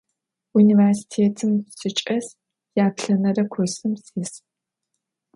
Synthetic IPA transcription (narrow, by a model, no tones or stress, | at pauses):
uniːversi̥tʰeːtʰɨmsɨt͡ʃʼɐs | jaːpɬɐnɐrɐkʷʰɔsɨmsiːs